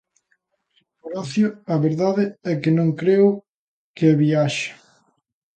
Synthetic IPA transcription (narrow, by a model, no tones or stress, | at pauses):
poɾɔθjʊɐβeɾðaðɪɛkɪnõŋkɾeʊ | keɛβiaʃɪ̥